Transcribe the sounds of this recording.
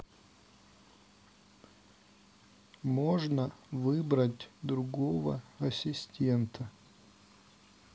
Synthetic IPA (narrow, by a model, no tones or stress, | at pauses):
moʐnəvɨbɾətʲd̪ɾʊɡo̞və̰ɐsʲɪsʲtʲe̞nt̪ʰə